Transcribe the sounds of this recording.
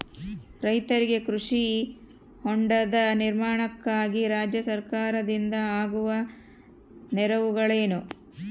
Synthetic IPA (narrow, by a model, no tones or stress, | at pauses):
ɾɐjt̪ɐɾiɡe̞kɾuʂi | hoɳɖɐd̪ɐniɾmaːɳɐkːaːɡiɾaːd͡ʒjɐsɐɾkaːɾɐd̪ind̪ɐaːɡuʋɐ | nɛɾɐʋuɡɐɭeːnu